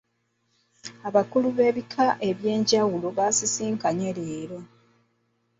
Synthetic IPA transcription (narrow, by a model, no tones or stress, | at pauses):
aβakuluβe̞ːβikʰaʔe̞βje̞ːɲɟawulo̞βasisiːŋkaɲe̞ɾeːɾo̞